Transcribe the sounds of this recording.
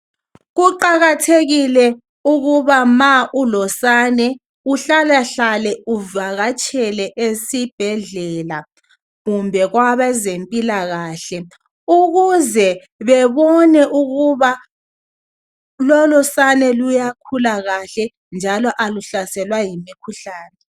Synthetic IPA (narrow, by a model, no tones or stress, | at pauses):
ɣuǃaɣatʰeɣilɛ | uɣuβamaʔulɔsanɛ | uɬalaɬalɛuvaɣat͡ʃʼɛlɛʔesib̥ʱɛɮɛla | ɣumbʱɛɣwaβɛzempʼilaɣaːɬɛ | uɣuzɛ | βɛβɔnɛʔuɣuβa | lɔlɔsanɛlujakʰulaɣaɬɛ | nd͡ʒʱalɔʔaluɬasɛlwajimikʰuɬaːnɛ